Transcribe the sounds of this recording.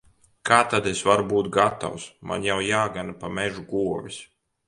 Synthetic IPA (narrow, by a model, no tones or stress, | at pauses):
kʰaːt̪ad̪esvaɾbuːt̪ɡat̪a̰wsma̰njawjaːɡanapamɛʒuɡuɔvis